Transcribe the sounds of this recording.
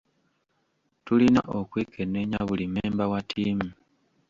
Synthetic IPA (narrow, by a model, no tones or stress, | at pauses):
tulina̰ʔokweːkʰene̞ɲaβulimeːmbawatʰiːmu